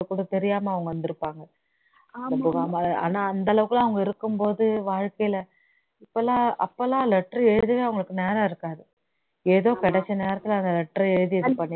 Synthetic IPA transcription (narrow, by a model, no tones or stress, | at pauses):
ɐkːuːɽɐt̪ɛɾɪjaːmɐɐʋɐŋɡɐʋɐnd̪ɪɾɯpːaːŋɡɐ | ɐpoːɣaːmaaːnaːɐnd̪ɐlɐʋɯkːɯlãɐʋɐŋɡɐɪɾɯkːɯmpoːðɯʋaːɻkɐjɪlɐ | ɪpːɐlːãːɐpːɐlãːlɛʈɾɐɛɻɯɯðɯʋeːɐʋɐŋɡɐɭɯkːɯneːɾɐːɪɾɯkːaːðɯ | eːðoːkɐɽɛt͡ʃːɐneːɾɐt̪ːɯlɐnd̪ɐlɛʈːrɐɛɻɯðɯɪɾɯpːɐnː